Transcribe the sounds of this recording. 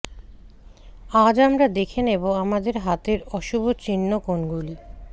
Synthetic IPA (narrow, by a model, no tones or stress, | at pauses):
ad͡ʑamɾad̪ekʰeneboamad̪eɾɦat̪eɾɔʃubʱot͡ɕinːokonɡuli